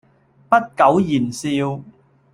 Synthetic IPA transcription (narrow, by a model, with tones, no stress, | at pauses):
pɐ˥t̚kɐ˨˥wjiː˨˩nsiː˧w